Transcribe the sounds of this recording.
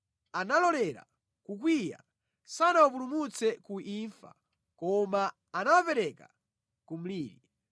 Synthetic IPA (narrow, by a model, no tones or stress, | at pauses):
analɔlɛɾa̰ | kuk̬wija̰ | sanawapulumut͡sɛkuʔiːɱfa̰ | kɔmaː | nawapɛɾɛka | kum̩liːɾi